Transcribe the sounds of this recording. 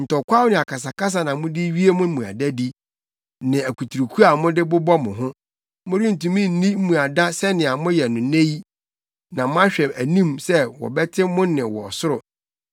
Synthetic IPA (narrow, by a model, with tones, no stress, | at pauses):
n̩˨tɔ˨kʷʰa˦wʊ˦nɪ̃˨a˨kʰa˨s̬a˨ka˦s̬a˨nã˨mʊ̃˦dɪ˦ɥi˦e˦mʊ̃˦mũ˨a̰˨da˦di˦ | nɪ̃˨æ˨kʰu˨tʰu˨ɾu˨kʰu˦a˨mʊ̃˦dɪ˦bʊ˦bɔ˦mʊ̃˨ɦʊ̃˦ | mʊ̃˦ɾi˦n̩˨tũ˨mĩ˦n̩˦nĩ˦m̩˦mũ˨a˨da˦sɛ˦nɪ̃˨a˨mʊ̃˦jɛ˨nʊ̃˨nẽ˦ji˦ | nã˨mʊ̃˦ã˦ɕᶣɛ˨mæ˨nĩ˦msɛ˦wɔ̰˨bɛ˦tʰɪ˦mʊ̃˦nɪ̃˨wɔ˨sʊ˦ɾʊ˨